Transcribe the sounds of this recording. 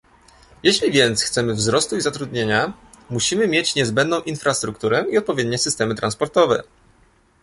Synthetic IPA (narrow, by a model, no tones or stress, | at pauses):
jeɕlʲivʲjɛnt̪sxt̪sɛmɘvzɾɔst̪uizat̪ɾud̪ɲeɲa | muɕimɘmʲjet͡ɕɲɛzbɛnd̪nɔ̃w̃ʔinfɾast̪ɾukt̪uɾɛiɔt̪̚pɔvʲed̪̚ɲɛsɘst̪ɛmɘt̪ɾanspɔɾt̪ɔvɛ̰